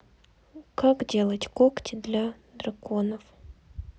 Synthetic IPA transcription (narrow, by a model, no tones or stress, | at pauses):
kakdʲe̞lˠətʲkoktʲɪd̪lʲa | d̪rɐkonəf